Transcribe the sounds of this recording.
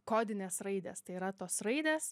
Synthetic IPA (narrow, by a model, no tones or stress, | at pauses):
koːd̪ʲɪnʲeːsɾɐɪd̪ʲḛst̪ɐɪiːɾɐt̪oːsɾɐɪd̪ʲeːs